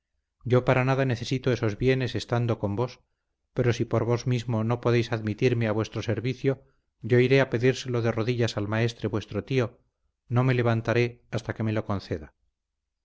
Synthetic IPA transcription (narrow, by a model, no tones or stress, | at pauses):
ɟ͡ʝo̞paɾanaðane̞θe̞sit̪o̞e̞so̞zβje̞ne̞se̞st̪and̪o̞ko̞mbo̞s | pe̞ɾo̞sipo̞ɾβo̞zmizmo̞no̞poðe̞jsaðmit̪iɾmeaβwe̞st̪ɾo̞se̞ɾβiθjo̞ | ɟ͡ʝo̞iɾe̞ape̞ðiɾse̞lo̞ðe̞ro̞ðiʎasalmae̞st̪ɾe̞βwe̞st̪ɾo̞t̪io̞ | no̞me̞le̞β̞ant̪aɾe̞ast̪ake̞me̞lo̞ko̞nθe̞ða